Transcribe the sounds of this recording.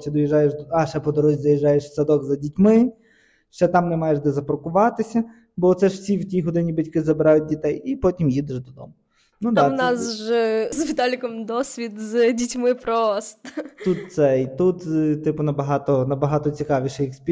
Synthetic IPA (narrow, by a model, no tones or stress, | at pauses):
t͡ʃɪd̪ɔjiʒɑjeʒd̪ɑʃɛpɔd̪ɔɾɔzʲid̪ɐjiʒɑjeʃsɐd̪ɔɡzɐdʲitʲmɪ | ʃt͡ʃɛt̪ɑmnɛmɑjeʒd̪ɛzɐpɾɔkʊʋɑt̪ɪsʲɐ | bɔt̪sɛʒwsʲiwtʲiɦɔd̪ɪnʲibɐtʲkɪzɐbɪɾɑjʊt̚ʲdʲit̪ɛjipɔtʲimjid̪ɪʒd̪ɔd̪ɔ̰mʊ | nud̪anɑsʒzʋʲit̪ɑlʲikɔmd̪ɔsʲʋʲit̪zdʲitʲmɪpɾɔst̪ɔt̪ut̪sɛit̪ut̪t̪ɪpʊnɐbɐɦɑt̪ɔnɐbɐɦɑt̪ɔt͡sʲikɑʋʲiʃɛjiksʲpʲi